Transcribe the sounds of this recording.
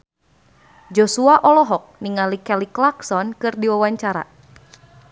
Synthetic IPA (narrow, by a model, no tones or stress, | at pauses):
d͡ʒɔsuaʔɔlɔɦɔk̚niŋalikɛliklaksɔnkɨrdiwawaɲt͡ʃaɾa̰